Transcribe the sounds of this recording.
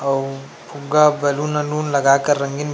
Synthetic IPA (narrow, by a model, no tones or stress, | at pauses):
ɐw | pʰuɡabɐlunɐnuːnlɐɡaːkɐɾːɐŋɡin